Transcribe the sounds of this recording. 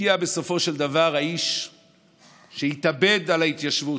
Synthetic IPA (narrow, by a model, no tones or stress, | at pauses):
iabe̞so̞fo̞ʃeld̪avaʁhaiʃ | ʃehit̪abe̞d̪alait̪jaʃvu